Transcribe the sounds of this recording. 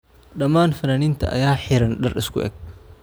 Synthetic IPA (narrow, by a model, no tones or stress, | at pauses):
ᶑɐmaːnfɐnanint̪ɐ̰ʔɐ̰jaːħɪɾɐnᶑɐrɪskʊ̰ʔɛ̰k̚